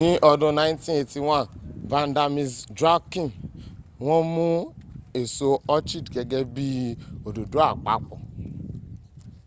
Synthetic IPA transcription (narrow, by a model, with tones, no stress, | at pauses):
nĩ˦ʔɔ˦dũ˦nã˦jntĩ˦e˨ti˨wã˦˨nvã˨˦n˦da˨˧mi˨sdɾa˦kĩ˨n | wɔ̃˦mũ˦e˨so˧ɔ˦t͡ʃi˦dke˨ɡɛ˦bi˦o˨do˨du˨˦a˦˨k͡pa̰˦k͡pɔ̰˨